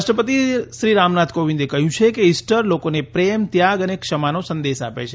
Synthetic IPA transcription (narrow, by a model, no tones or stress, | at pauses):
ʃʈəpət̪iʃɾiɾamnat̪koʋĩnd̪ekəɦjũt͡ʃʰekeisʈəɾlokonepɾemt̪jaɡənekʃəmanosənd̪eʃa̰pḛt͡ʃʰe